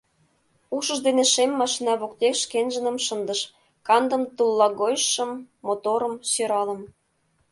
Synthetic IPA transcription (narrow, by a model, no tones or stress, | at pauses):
uʃɤ̆ʒd̪eneʃemːɑʃinɑβok̚t̪ekʃkenʒə̆nə̆mʃə̆nd̪ə̆ʃ | kɑnd̪ə̆mt̪ulˠːɑɣojʃːɤ̆mː | ot̪oɾə̆mɕøɾɑlə̆m